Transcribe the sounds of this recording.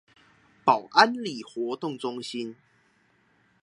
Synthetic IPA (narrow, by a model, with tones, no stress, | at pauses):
pa˨˩ʊwʔa˦nli˨˩xwɔ˨˦t̪ʊ˥˨ŋt͡sʊ˦ŋɕi˦n